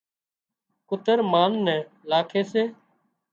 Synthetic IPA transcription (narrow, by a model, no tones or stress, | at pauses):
kʊt̪əɾmaːnːɛ̃ː | laːkʰeːseː